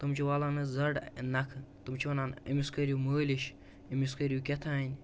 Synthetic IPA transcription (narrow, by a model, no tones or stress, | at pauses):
t̪ɨmt͡ʃʰiʋaːlaːnɨzɐɖnɐkʰt̪ɨmt͡ʃʰiʋɐnaːnɐmiskɐɾʲjuməːlʲiʃ | imiskɐɾʲjukʲet̪ʰaːnʲ